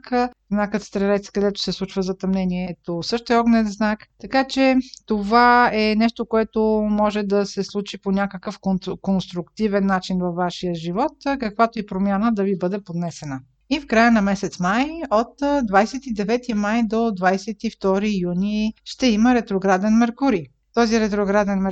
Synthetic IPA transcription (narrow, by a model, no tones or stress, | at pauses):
kəznakət̪st̪ɾɛɾɛt̪skɐd̪ɛt̪ʊ̥sɛslˠut͡ʃvəzɐt̪ɐmnɛniɛt̪osɤʃt̪oɛɔɡnɛt̪znakt̪ɐkat͡ʃɛt̪ovaɛnɛʃt̪okoɛt̪omɔʒɛd̪ɐsɛslˠut͡ʃiponʲakəkəfkonkonst̪ɾukt̪ivɛnːat͡ʃinvɐfvːaʃijəʒivɔt̪kɐkvat̪oɛpɾomʲjanəd̪ɐvibɤd̪ɛpod̪nɛsɛnə | ifkɾajənɐmɛsɛt̪smajot̪d̪vajsɛt̪id̪ɛvɛt̪imajd̪od̪vajsɛt̪ift̪ɔɾijuniʃt̪ɛiməɾɛt̪ɾoɡɾad̪ɛnmɛɾkuɾi | t̪ɔziɾɛt̪ɾoɡɾad̪ɛnmɛ